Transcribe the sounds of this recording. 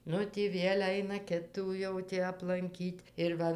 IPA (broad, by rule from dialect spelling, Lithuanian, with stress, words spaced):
ˈnʊ ˈtʲiː ˈʋʲiɛlʲ ˈɐɪnɐ ˈkʲɪtuː ˈjɛʊ tʲiː ɐplˠɐŋʲˈkʲiːtʲ ɪr ˈʋɐ